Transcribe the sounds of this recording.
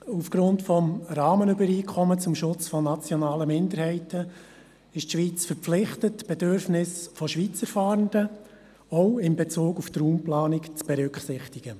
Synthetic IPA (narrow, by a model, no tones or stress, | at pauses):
ufɡ̥ɾʊntfɔmɾɑːmənʏbəɾiːkʰɔmət͡sʊmʃʊt͡sfɔnɑt͡sjɔnɑːləmɪnd̪əɾhɛɪtʰə | ɪʃtʃʋiːt͡sfəɾflɪχtətb̥ɛdøɾfnɪsfɔʃʋiːt͡səɾfɑːɾənd̥ə | ɔʊɪmbɛt͡suːkuft̪ruːmplɑːnɪkt͡sb̥ɛɾʏkχsɪχtɪɡ̥ə